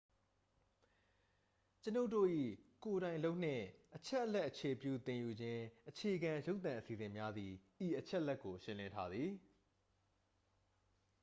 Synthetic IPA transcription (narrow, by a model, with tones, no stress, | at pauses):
t͡ɕəno˦ʊʔtːo̰˦˨ʔḭ˦˨ko˨ɾã˨ɪ̃lo˦ʊʔn̥ɪ̰̃˦˨ʔət͡ɕʰɛ˦ʔəlɛ˦ʔːət͡ɕʰe˨pjṵ˦˨t̪ɪ̃˨ju˨d͡ʑɪ̃˦ʔət͡ɕʰe˨ʔəɡã˨jo˦ʊt̪ã˨ʔəsi˨zɪ̃˨mja˦d̪ði˨ʔi˨ʔət͡ɕʰɛ˦ʔəlɛ˦ʔkːo˨ʃɪ̃˦lɪ̃˦ntʰa˦d̪ði˨